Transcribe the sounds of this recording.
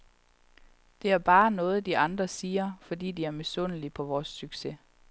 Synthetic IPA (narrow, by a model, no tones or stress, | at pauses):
d̥e̝æɐb̥ɑ̈ːnɔ̽ːð̞̩ˠd̥iʔɑ̈nd̥ʁɐsiːɐfɒ̽d̥ḭːd̥iæɐme̝sɔn̰əlipʰɒ̽ʋɒːsːyɡ̥se̝